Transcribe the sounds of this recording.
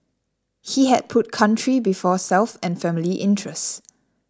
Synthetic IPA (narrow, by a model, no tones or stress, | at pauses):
hiɦɛd̚pʰʊt̚kʰãntɹibifɔsɛlfɛ̃nfɛmiliʔɪ̰̃ntɹɛst